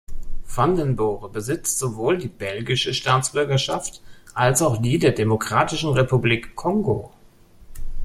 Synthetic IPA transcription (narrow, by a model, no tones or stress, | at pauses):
fandənbɔːʁəbəzɪt͡stz̥ovoːldiːbɛlɡɪʃəʃtaːt͡sb̥ʏɐɡɐʃaftʔalsaʊxd̥iːdeːɐdemokʁ̥aːtɪʃn̩ʁepubliːkʰːɔŋɡo̰